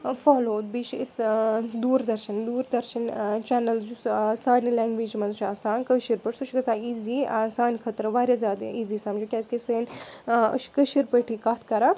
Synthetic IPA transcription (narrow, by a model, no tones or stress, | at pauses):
fɔːloːd̪̚biʃisd̪uːɾd̪ɐɾʃɐnd̪uːɾd̪ɐɾʃɐnt͡ʃɛnɐld͡ʒusaːnilʲaːŋɡʋiːd͡ʒmɐnzt͡ʃʰasaːnkəʃiɾpəʈsɐʃikɐsãːiːziasaːnʲkʰət̪ɾɐʋaːɾʲazaːd̪iːziːsaːmd͡ʒukʲaskesəːnʲə̰ʃi̥kəʃiɾpəʈʰikaːt̪ʰkɐɾa